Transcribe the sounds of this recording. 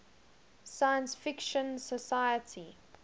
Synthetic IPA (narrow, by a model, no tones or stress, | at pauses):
sajə̃nsfɪkʃə̃nsəsajətʰi